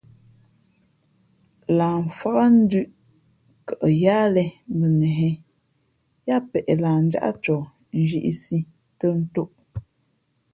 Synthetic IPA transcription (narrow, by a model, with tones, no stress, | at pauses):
laː˨ɱ̩˨fa˦ɣa˦n̩˦dʉ˦ʔ | kə˨ʔə˨jaː˦lɛ˦m˦bə˨nɛ˨ɦɛ˦ | ja˦˨pɛ˨ʔɛ˨laː˨n̩˦d͡ʒa̰˦ʔa̰˦t͡ʃɔ˨ | n̩˦d͡ʒi˦ʔḭ˦si˦ | tə˦n̩˦to˦ʔ